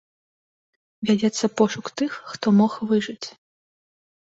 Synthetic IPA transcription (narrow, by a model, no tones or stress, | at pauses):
vʲad͡zʲɛt̪sːɐpɔʂʊkt̪ɨxːt̪ɔmɔxʋɨʐɨt͡sʲ